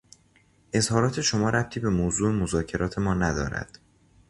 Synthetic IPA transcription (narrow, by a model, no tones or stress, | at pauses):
ʔe̞zhɒːɾɒːt̪ʰe̞ʃo̞mɒːɾʔæp̚t̪ʰiːbe̞moːzuːemozɒːcʰe̞ɾɒːt̪ʰe̞mɒːnæd̪ɒ̰ːɾæ̰d̪̥